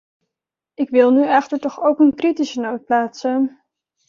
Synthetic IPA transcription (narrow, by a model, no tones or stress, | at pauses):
ɪkʋɪlˠnyɛχtəɹtɔχowkənkritisənowt̚plaːtsən